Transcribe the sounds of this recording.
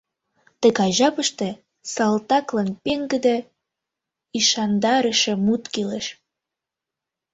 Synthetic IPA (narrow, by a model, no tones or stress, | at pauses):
t̪əɣɑjʒɑpəʃt̪ĕ | sɑlt̪ɑklɑnpeŋɡəd̪e | iʃɑnd̪ɑɾəʃĕmut̪keleʃ